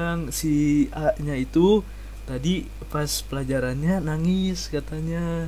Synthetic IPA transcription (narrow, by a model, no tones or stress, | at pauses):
aŋsiaʔɲait̪u | t̪adi | paspəlad͡ʒaɾanɲanaŋɪskat̪aɲa